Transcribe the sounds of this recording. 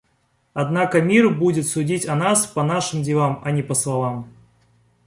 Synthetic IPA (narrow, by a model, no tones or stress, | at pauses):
ɐd̪nakəmʲirbudʲɪt̪sʊdʲitʲɐnaspɐnaʂɨmdʲɪlˠamɐnʲɪpəslˠɐvam